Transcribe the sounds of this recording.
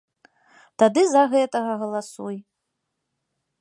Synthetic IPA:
t̪ad̪ɨzɐɣɛt̪ɐɣɐɣɐlˠasuj

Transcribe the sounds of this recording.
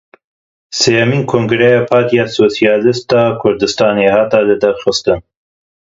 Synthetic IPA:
seːjɐmiːnkʰoŋɡɾejɑːpʰɑːɾt̪ijɑsosijɑːlɨst̪ɑːkʰʊɾd̪ɨst̪ɑːneːhɑːt̪ɑlɨd̪ɐɾxɨst̪ɨn

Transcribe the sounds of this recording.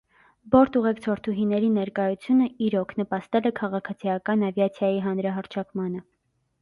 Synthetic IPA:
bɔɾt̪uʁɛkt͡sʰɔɾt̪ʰuɦinɛɾinɛɾkɑjut͡sʰjunəiɾɔkʰnəpɑst̪ɛlɛkʰɑʁɑkʰɑt͡sʰijɑkɑnɑvjɑt͡sʰjɑjiɦɑnɾɑɦɑɾt͡ʃʰɑkmɑnə

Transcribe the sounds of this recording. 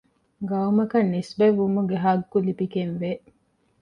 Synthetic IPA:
ɡɐumɐkɐnːisbɐʋumuɡeɦaɡkːulibikenʋe

